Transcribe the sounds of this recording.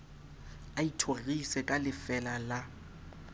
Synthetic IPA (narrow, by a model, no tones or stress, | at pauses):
aitʰoɣisɛkʼalɪfɛlala